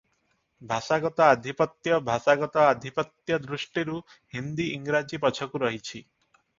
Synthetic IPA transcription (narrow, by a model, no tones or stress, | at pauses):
bʱaʃaɡɔt̪ɔad̪ʱipɔt̪jɔbʱaʃaɡɔt̪ɔad̪ʱipɔt̪jɔd̪ɾuʃʈiɾu | ɦind̪iiŋɾad͡ʒipɔt͡ʃʰɔkuɾɔɦit͡ʃʰi